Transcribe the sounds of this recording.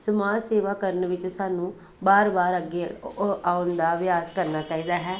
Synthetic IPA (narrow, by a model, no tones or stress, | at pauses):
səmaːseːʋaːkəɾənʋɪt͡ʃsaːnũː | baːɾbaːɾəɡeːaːʊnd̪aːʋɪjaːskəɾnaːt͡ʃaːiːd̪aːɦɛː